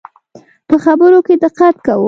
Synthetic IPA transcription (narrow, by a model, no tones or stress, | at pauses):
pəxabəɾoked̪ɪqat̪̚kawə